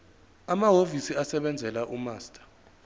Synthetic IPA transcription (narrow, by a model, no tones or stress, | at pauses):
amaɦovisiasɛɓɛnd͡zʱɛlaʔumaːstʼḁ